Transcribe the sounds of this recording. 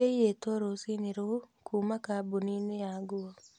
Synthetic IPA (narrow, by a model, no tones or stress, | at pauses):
ejetoɾosineɾokʰuːmakabuninejaɡuɔ